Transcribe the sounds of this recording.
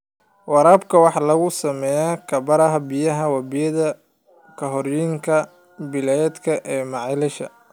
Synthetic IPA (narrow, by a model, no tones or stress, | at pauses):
wɑɾaːbkʰɐwɑħɑlɐɣʊsɐmɛːjakʰɐbɐɾɐɦɐbɪjɐɦɐwɐbɪjɐðɐ | kʰɐɦɔrjɪŋkʰɐ | bɪlɛd̪kʰɐʔɛːmɑʕɪlɪʃɐ̰